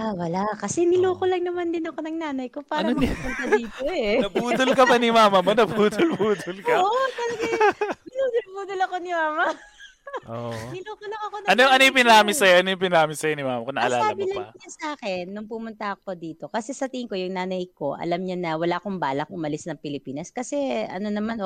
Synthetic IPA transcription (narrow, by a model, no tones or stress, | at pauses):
awɐlaʔkɐsɛnɪloːkolɐŋnɐmand̪ɪnɐko̞nɐŋnaːnɐjko̞paːnɾɐpʊnt̪ɐd̪iːt̪oɛnɐpuːd̪ʊlkɐbɐnimaːmɐmonɐpuːd̪ʊlpuːd̪ʊlkɐʔt̪ɐlɐɡɛnɪluːd̪ʊlpuːd̪ʊlɐkonɪmaːmɐ | oɪluːkʊlɐŋɐkonɐɐnojʊŋʔɐnojʊpɪnɾaːmɪsɐjoʔɐnojʊŋpɪnɐɾaːmɪsɐjonimaːmɐkonɐʔɐ̰laːsaːɐmbɪlɐɐɲɐsɐʔaːkɛnːʊŋpʊmʊnt̪ɐk̚od̪iːt̪o̞kɐsɛsɐt̪iŋko̞jʊŋnaːnɐjko̞ʔɐ̰lɐmɲanɐwɐlaːʔkoŋbaːlɐk̚ʔʊmɐlɪsnɐŋpɪlɪpiːnɐskɐsɛɐ̰no̞nɐmanʔo